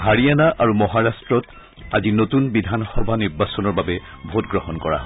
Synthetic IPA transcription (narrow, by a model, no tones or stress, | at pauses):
ɦaɹianaʔaɹumɔɦaɹastɹɔt | azinotunbidʱanxɔbʱaniɹbasɔnɔɹbabɛbʱotɡɹɔhɔnkɔɹa̰